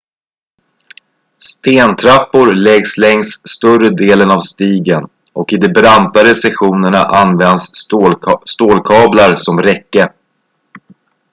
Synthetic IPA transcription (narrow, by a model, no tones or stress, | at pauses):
st̪eːnt̪ʰɾapːʊɾlɛɡslɛŋst̪st̪ɵrəd̪eːlənavst̪iːɡən | ʔɔkɪd̪ɛbɾant̪aɾɛsɛɧuːnəɳaʔanvɛnd̪s | st̪oːlkʰɑːblaɾsɔmɾɛkːə